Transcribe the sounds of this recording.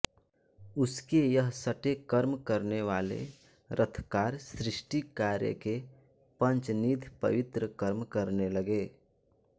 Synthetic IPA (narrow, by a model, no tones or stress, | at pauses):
ʊskejəɦsəʈekəɾmkəɾneʋaːlḛ | ɾʔət̪ʰkaːɾsɾɪʃʈikaːɾjə̰ke | pə̃nt͡ʃniːd̪ʱpə̰ʋɪt̪ɾəkəɾmkəɾneləɡeː